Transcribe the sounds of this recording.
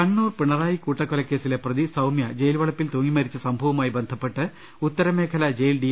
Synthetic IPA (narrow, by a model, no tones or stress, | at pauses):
ɐɳːuːrpiɳːɐraːjikuːʈːɐkːolɐkːe̞ːsile̞prɐðisɐwmjɐd͡ʑe̞jilʋɐɭɐpːilt̪oːŋːimɐɾit͡ɕːɨsɐmbʱɐʋɐmaːjibe̞nd̪ʱɐpːe̞ʈːɨ | ut̪ːɐɾɐme̞ːkʰɐlɐd͡ʑe̞jlɖi